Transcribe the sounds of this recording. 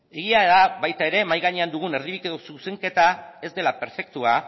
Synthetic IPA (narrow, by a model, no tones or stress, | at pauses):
e̞ɣiaeðaβajt̪ae̞ɾe̞majɣaɲeand̪uɣ̞une̞ɾðiβikeðosuse̞ŋke̞t̪ae̞zd̪e̞lape̞ɾfe̞k̚t̪ua